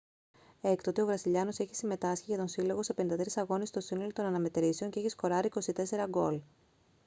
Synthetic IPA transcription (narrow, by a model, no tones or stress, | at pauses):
e̞kt̪ot̪io̞vɾɐsiʎɐno̞se̞çi̥sime̞t̪ɐsçiʝɐt̪o̞nsilo̞ɣo̞se̞penind̪ɐt̪ɾisɐɣo̞nist̪o̞sinolot̪o̞nɐnɐme̞t̪ɾise̞o̞ɲceeçisko̞ɾɐɾiko̞sit̪e̞se̞ɾɐɡo̞l